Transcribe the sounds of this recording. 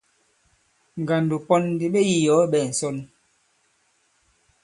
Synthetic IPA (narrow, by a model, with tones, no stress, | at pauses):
ŋ˨ɡa˨ndu˨pɔ˦n˦di˨ɓe˦ji˦jɔ˨˦ɓɛ˨n̩˨sɔ˦n˦